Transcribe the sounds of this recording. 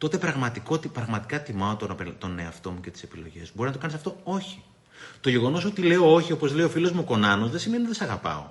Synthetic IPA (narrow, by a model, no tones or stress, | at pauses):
t̪o̞t̪e̞pɾɐɣmɐt̪ikot̪ipɾɐɣmɐt̪i̥kɐt̪imɐot̪onɐpelt̪oneɐft̪o̞mucet̪i̥se̞pilo̞̰ʝe̞̰sbo̞ɾiznɐt̪oɐnisɐft̪o̞o̞çi̥ | t̪o̞ʝe̞ɣo̞no̞so̞t̪ile̞o̞o̞çio̞po̞zle̞iofilozmuoko̞nɐno̞zðesimeninɐt̪sɐɣɐpɐ̰o̞̰